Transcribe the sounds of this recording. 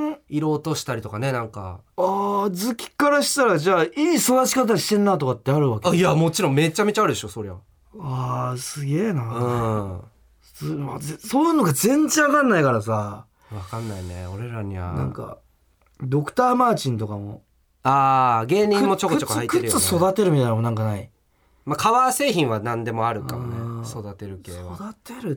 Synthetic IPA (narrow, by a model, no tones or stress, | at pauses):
iɾo̞ːt̪o̞ɕi̥t̪aɾʲit̪o̞kane̞nãŋka̰aːd͡zɨkʲi̥kaɾaɕi̥t̪aɾaʑaːʔiːsodaɕi̥kat̪̬aɕi̥t̪ẽ̞nːat̪̬o̞kat̪ːeaɾɯ̟βakeaiamo̞t͡ɕiɾõme̞t͡ɕame̞t͡ɕaaɾɯ̟d̪e̞ɕo̞so̞ɾe̞βa | asɨɡʲe̞ːnaɯ̃ | mazsoːjɯ̟ːnoɡazẽ̞ɲd͡ʑiβakãnːaikaɾasa | βakãnːainḛo̞ɾe̞ɾaɲ̟iβa̰nã̰ŋka̰ | d̪o̞kɯ̟̥t̪aːmaːt͡ɕĩnt̪o̞kamo̞̰ | aːɡe̞ːɲʲĩmːo̞t͡ɕokot͡ɕokohaitkɯeɾjot͡sɨso̞d̪at̪e̞ɾɯmit̪ajnamonãŋkanai | makʰaβaːse̞ːçĩɰ̃βanãnd̪e̞mo̞aɾɯ̟kamoneso̞d̪at̪e̞ɾɯ̟keːaod̪at̪eɾɯ̟